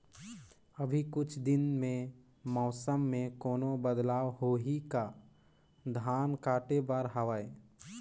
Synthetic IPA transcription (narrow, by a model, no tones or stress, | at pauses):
əbʱikʊt͡ʃʰd̪ɪnmẽ | mɔːsəmːẽkoːnobəd̪laːʋɦoːɦika | d̪ʱaːnkaːʈebaːɾɦaʋaːe